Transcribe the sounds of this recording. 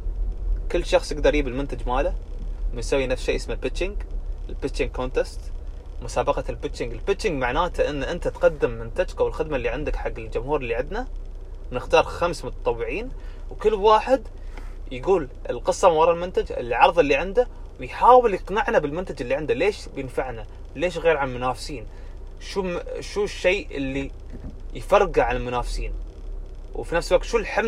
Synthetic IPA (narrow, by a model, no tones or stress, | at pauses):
kɪlːʃɑxsˤjɪɡd̪ɑɾˤjiːbɪlmʊnt̪ad͡ʒmaːlamɪjsawːinafsʃḛːjʔɪsmalbɪt͡ʃːɪŋɡɪlpɪt͡ʃːɪŋɡ̚kont̪est̪ | mʊsaːbɑqɑlbɪt͡ʃːɪŋɡɪlbɪt͡ʃːɪŋɡmaʕnaːt̪aʔɪnːʔɪnt̪at̪qɑd̪ːɪmːɪnt̪ad͡ʒkawɪlxɪd̪malːiʕɪnd̪ɪkħaɡːɪld͡ʒʊmhuːɾɪlːiʕɪnd̪na | wnɪxt̪ɑːɾˤxamsmʊt̪ɑ̥t̪ˤɑwːɪʕiːn | wkɪlːwaːħɪd̪ | jɪɡuːlʔɪ̰lqɨsˤːɑmwɑɾˤɑlmʊnt̪ad͡ʒɪ̰lʕɑɾˤðˤɪlːiʕɪnd̪a | wɪjħaːwɪljɪqnaʕnabɪlmʊnt̪ad͡ʒɪlːiʕɪnd̪aleːʃbjɪnfaʕna | leːʃɣeːɾʕanlmʊnaːfsiːn | ʃuʃuːʃːejʔɪ̰lːi | jfɑɾˤɡaʕalalmʊnaːfsiːn | wfinafslwaɡ̚kt̪ʃulħɪm